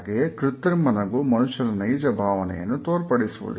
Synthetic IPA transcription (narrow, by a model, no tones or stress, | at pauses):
ɡekɾut̪ːɾimɐnɐɡumɐnuʂːɐlɐnɐjd͡ʒɐbʱaːʋɐnɛ̰jɐ̰nːut̪oːɾpɐɽisuʋṵlḭ